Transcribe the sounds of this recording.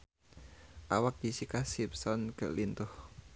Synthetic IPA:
ʔawak̚jisikasipsɔnkə̰lint̪ʊh

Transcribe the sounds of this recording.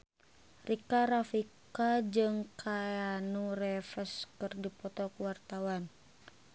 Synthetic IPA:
rʔikaɾafikad͡ʒɨŋkʰaanurɛfəskɨrdipɔt̪ɔkuwart̪awan

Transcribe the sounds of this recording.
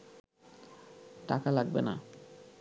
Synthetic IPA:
ʈakalaɡ̚bḛna̰

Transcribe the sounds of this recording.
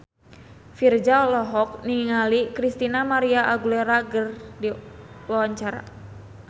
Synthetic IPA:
fird͡ʒaɔlɔɦɔk̚niŋiŋalikɾist̪inamaɾiaʔaɡuleɾaɡərdiwawaɲt͡ʃaɾa̰

